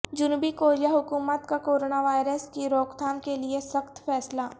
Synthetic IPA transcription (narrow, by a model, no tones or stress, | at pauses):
d͡ʒʊnuːbikoːɾijaɦʊkuːmət̪kakoːɾoːnaʋaːjɾəskiɾoːkt̪ʰaːnkeliesəxt̪fɛːslaː